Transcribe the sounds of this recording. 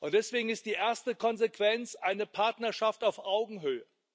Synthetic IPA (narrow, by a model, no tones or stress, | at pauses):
ʔʊnt̚d̥ɛsv̥eːɡŋ̩ɪst̚d̥iːʔeɐstəkʰɔnzekv̥ɛnt͡sʔaɪnəpʰaɐtnɐʃaftaʊfʔaʊɡŋ̩ɦøːə